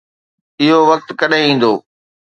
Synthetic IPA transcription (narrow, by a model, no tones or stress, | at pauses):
ɪɦoʋɐk̚t̪kɐɗẽĩːn̆d̪oː